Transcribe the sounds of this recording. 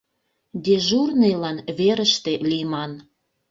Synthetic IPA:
d̪eʒurnejlɑnβeɾəʃt̪elʲijmɑn

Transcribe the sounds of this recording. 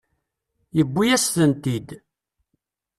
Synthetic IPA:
jəbːijæsθənt̪id̪

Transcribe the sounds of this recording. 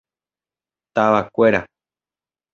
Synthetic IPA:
t̪aʋakʷeɾa̰

